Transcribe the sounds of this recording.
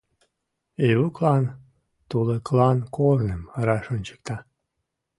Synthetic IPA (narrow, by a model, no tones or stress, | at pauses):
eβuklɑn | t̪uleklɑnkornəməɾɑʃonʲt͡ɕə̥k̚t̪ɑ